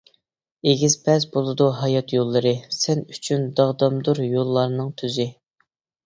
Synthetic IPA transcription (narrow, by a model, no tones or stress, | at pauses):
eɡʲiz̥pʰɛzbolˠɨd̪uɦɑjɑt̪jolˠːɨɾɨsɛnyt͡ʃʰynd̪ɑʁd̪ɑmd̪uɾjolˠːɑɾnɨŋt̪ʰyzɪ